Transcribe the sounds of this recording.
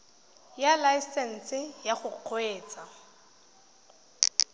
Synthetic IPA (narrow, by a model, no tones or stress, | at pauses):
jalajsɛn̩sɪjaχʊq͡χʰoeːt͡sʼa